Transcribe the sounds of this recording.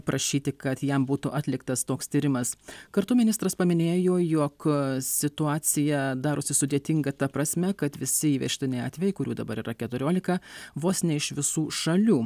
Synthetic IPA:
pɾʔɐʃʲiːt̪ʲɪkɐt̪jɛmbuːt̪ʊʔɑt̪ʲlʲɪkt̪ɐst̪oːkst̪ʲiːɾʲɪmɐskɐɾt̪ʊmʲɪnʲɪst̪ɾɐspɐmʲɪnʲeːjoːjɔksʲɪt̪ʊɑːt̪sʲɪjɛd̪ɑːɾʊsʲɪsʊd̪ʲeɛt̪ʲɪŋɡɐt̪ɐpɾɐsʲmʲɛkɐt̪ʋʲɪsʲɪiːʋʲɛ̰ʃʲt̪ʲɪnʲɪɪɑ̰ːt̪ʲʋʲɛjɛɪkʊɾʲṵːd̪ɐ̰bɐɾiːɾɐkʲɛt̪ʊɾʲoːlʲɪkɐʋoːsʲnʲɛɪʃʋʲɪsuːʃɐlʲuː

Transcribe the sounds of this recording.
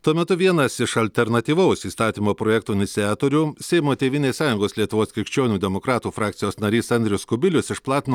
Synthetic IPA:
t̪uɔmʲɛt̪ʊʋʲiɛnɐsɪʃɐlʲt̪ʲɛɾnɐt̪ʲiːʋɐʊsiːst̪ɑːt̪ʲiːmoːpɾoːjɛːk̚t̪uːɪnʲɪt̪sʲɪɑːt̪oːɾʲuːsʲɛɪmoːt̪ʲeːʋʲɪnʲeːssɑːjʊŋɡoːslʲiɛt̪ʊʋoːskʲɪɾʲɪkʃʲt͡ʃʲoːnʲuːd̪ʲɛmokɾɑːt̪uːfɾɑːkt̪sʲɪjoːsnɐɾʲiːsɐnʲd̪ʲɾʲʊskʊbʲɪlʲʊsɪʃplˠɑːt̪ʲn

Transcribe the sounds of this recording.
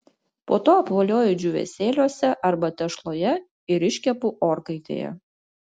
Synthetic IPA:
poːt̪oːɐpʋoːlʲoːjʊd͡ʒʲʊʋʲɛ̰sʲeːlʲoɔsʲɛʔɐɾbɐt̪ʲɛʃlˠoːjɛ | ɪɾɪʃʲkʲɛpʊʔoːɾkɐɪt̪ʲḛːjɛ̰

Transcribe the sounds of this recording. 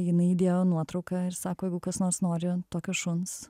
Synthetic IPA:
jɪnɐɪid̪ʲeːjoːnuɔt̪ɾɔʊkɐɪɾsɑːkoːjɛɪɡʊkɐsnoːɾsnoːɾʲɪt̪oːkʲoʃʊns

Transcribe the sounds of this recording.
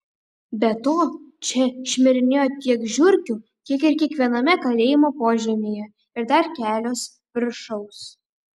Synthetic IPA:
bʲɛt̪oːt͡ʃʲɛʃʲmʲɪɾʲɪnʲeːjoːt̪ʲiɛkʒʲʊɾʲkʲuːk̪ʲiɛkɪɾkʲiɛkʋʲiɛnɐmʲɛkɐlʲeːjɪmoːpoːʒʲɛmʲeːjɛ | ɪɾd̪ɐɾkʲæːlʲoːs | pʲɾʲʃɔʊs

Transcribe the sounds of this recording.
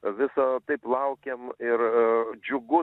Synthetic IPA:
ʋʲɪsɐt̪ɐɪplˠɐʊkʲemɪɾd͡ʒʲʊɡʊ

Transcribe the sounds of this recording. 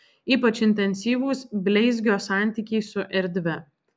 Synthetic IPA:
iːpɐt͡ʃɪnʲt̪ʲɛnʲsʲiːʋuːsbʲlʲɛɪzʲɡʲoːsɑˑnʲˑt̪ʲiːkʲɛɪsʊʔɛɾʲd̪ʲʋʲɛ

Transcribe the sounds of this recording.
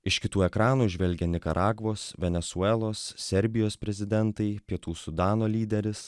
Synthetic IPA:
ɪʃʲkʲɪt̪uːɛkɾɑːnuːʒʲʋʲɛlʲɡʲɛnʲɪkɐɾʔɑːɡʋoːsʋʲɛnʲɛsuɛːlˠoːssʲɛɾʲbʲɪjoːspʲɾʲɛzʲɪd̪ʲɛnt̪ɐɪpʲiɛt̪uːsʊd̪ɑːnoːlʲiːd̪ʲɛɾʲɪs

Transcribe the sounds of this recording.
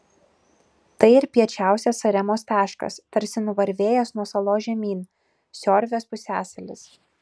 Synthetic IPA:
t̪ɐɪɪɾpʲiɛt͡ʃʲæˑʊsʲɛsɐɾʲɛmoːst̪ɑːʃkɐ̰st̪ɐɾʲsʲɪnʊʋɐɾʲʋʲeːjɛsnuɔsɐlˠoːʒʲɛmʲiːn | sʲɔːɾʲʋʲeːspʊsʲæːsɐlʲɪ̰s

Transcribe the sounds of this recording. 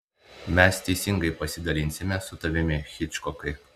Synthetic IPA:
mʲɛst̪ʲɛɪsʲɪŋɡɐɪpɐsʲɪd̪ɐlʲɪnʲsʲɪmʲɛsʊt̪ɐʋʲɪmʲɪxʲɪt͡ʃkɔkɐɪ

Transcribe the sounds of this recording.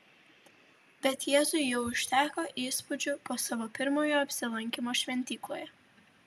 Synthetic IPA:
bʲɛt̪jeːzʊɪjɛʊʊʃʲt̪ʲæːkoːʔiːspʊd͡ʒʲʊpoːsɑʋopʲɪɾmoːjoːɐpʲsʲɪlˠɐŋʲkʲɪmoːʃʲʋʲɛnʲt̪ʲiːklˠoːjɛ

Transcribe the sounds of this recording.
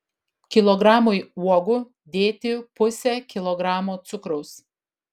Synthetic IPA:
kʲɪlˠɔɡɾɑːmojuɔɡʊ | d̪ʲeːt̪ʲɪpʊsʲɛkʲɪlˠɔɡɾɑːmoːt̪sʊkɾɔʊs

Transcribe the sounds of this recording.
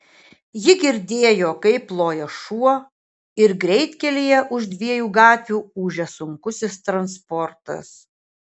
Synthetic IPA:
jɪɡʲɪɾʲd̪ʲeːjoːkɐɪplˠoːjɛʃuɔ | ɪɾɡɾʲɛɪt̪ʲkʲɛlʲijɛʔʊʒd̪ʲʋʲiɛjuːɡɑːt̪ʲʋʲuːuːʒʲɛsʊŋkʊsʲɪst̪ɾɐnspɔɾt̪ɐ̰s

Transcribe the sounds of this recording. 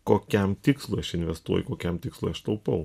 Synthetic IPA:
koːkʲɛmt̪ʲɪkslˠujɐʃɪnʲʋʲɛst̪uɔjkoːkʲɛmt̪ʲɪkslˠṵːɐʃt̪ɐʊpɐʊ

